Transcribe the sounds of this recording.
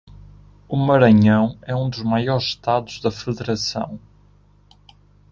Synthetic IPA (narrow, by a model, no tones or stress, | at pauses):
umɐɾɐɲɐ̃w̃ɛũd̪uʒmajɔɾʃt̪aðuʒðɐfɨðɨɾɐsɐ̰̃w̃